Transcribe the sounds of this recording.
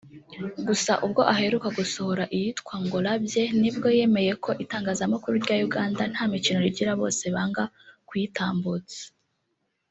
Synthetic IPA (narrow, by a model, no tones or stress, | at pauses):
ɡusaʔubɡo̞ʔaɦhe̞ɾukaɡuso̞ho̞ɾaʔijitkwaŋɡoɾabje̞nibɡo̞je̞me̞je̞kʰo̞ʔitaːŋɡaːzamakuɾuɾɟaːjuɡaːndan̥hamicino̞ɾiɟiɾaβo̞̰ːse̞βaːŋɡa | kwitaːmbut͡se̥